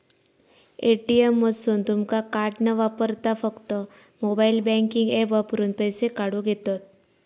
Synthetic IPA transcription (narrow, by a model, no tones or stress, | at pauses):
eʈiemːəsont̪ʊmkakaːɾʈnəʋapəɾt̪afəkt̪ə | mobailbɛ̃ŋkɪ̃ŋɡepʋapɾunpɛjsekaɽuɡet̪ət̪̚